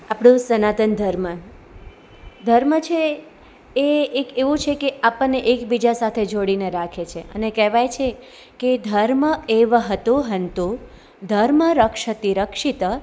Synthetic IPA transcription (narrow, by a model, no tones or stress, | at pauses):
apɽ̃ũsənat̪ənd̪ʱəɾmə | d̪ʱəɾmət͡ʃʰeː | keʋũt͡ʃʰekeapənːeʔekbid͡ʒasat̪ʰed͡ʒoɽineɾakʰet͡ʃʰeə̰nekɛʋajt͡ʃʰe | ked̪ʱəɾməeʋɦət̪ũɦənt̪ũ | d̪ʱəɾməɾəkʃət̪iɾəkʂit̪ə